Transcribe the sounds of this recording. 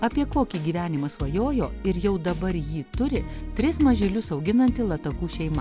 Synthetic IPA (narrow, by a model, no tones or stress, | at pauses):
ɐpʲiɛkoːkʲiɡʲiːʋʲæːnʲɪmɐsʋɐjoːjoːɪɾjɛʊd̪ɐbɐɾjiːt̪ʊɾʲɪt̪ʲɾʲɪsmɐʒʲilʲʊsɒʊɡʲɪnɐnʲt̪ʲɪlˠɐt̪ɐkuːʃʲɛɪmɐ